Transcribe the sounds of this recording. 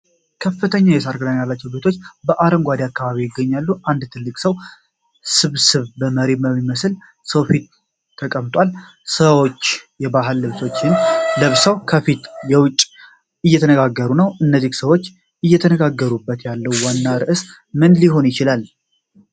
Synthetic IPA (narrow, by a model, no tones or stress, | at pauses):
kʰəfːɨt̪ʰəɲːajɛsaɾɡɨnaɲːjalːat͡ʃːɛwbet̪ʰo̞t͡ʃːbəʔaɾəmɡʷad̪ijakːaβaβijɪɡːəɲːalːuʔand̪t̪ʰɨlːɨkʼsəw | sɨβsɨβbəməɾeməmːiməsl | səwfit̪ʰː | əkʼəmt̪ʼwal | səwot͡ʃːjɛbaɦɨlːɨβso̞t͡ʃːɪnləβsəwkʰəfit̪jɛwʊt͡ʃʼ | ɨjːɛt̪ʰənəɡaɡːəɾunəwʔɨnːəzihsəwo̞t͡ʃː | ɨjːɛt̪ʰənəɡaɡːəɾubːət̪jalːəwwanːaɾɨʔɨs | mɨnliɦo̞njɪt͡ʃɪlal